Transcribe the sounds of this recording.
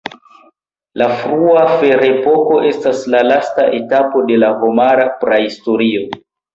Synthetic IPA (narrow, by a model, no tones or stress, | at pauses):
lafɾuafe̞ɾe̞po̞ko̞ʔe̞staslalastaʔe̞tapo̞de̞laɦomaɾapɾahisto̞ɾio̞